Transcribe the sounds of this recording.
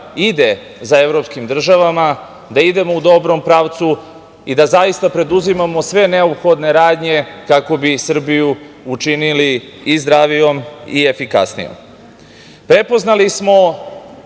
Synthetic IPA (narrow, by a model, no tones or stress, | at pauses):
id̪e̞ | zae̞vɾo̞pskimd̪r̩ʒaʋama | d̪aid̪e̞mo̞ud̪o̞bɾo̞mpɾaːʋt̪su | id̪azajist̪apɾe̞d̪uzimamo̞sʋe̞ne̞opxo̞d̪ne̞ɾaːd̪ɲe̞kako̞bisr̩biju | ut͡ʃinili | izd̪ɾaʋijo̞mie̞fika̰snḭjo̰m | pɾe̞po̞znalismo̞